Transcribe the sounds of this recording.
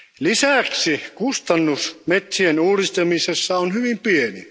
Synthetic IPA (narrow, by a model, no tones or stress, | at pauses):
lisæˑksikust̪ɑnːusmet̪sienuːrist̪emisesːɑonhyʋimpienḭ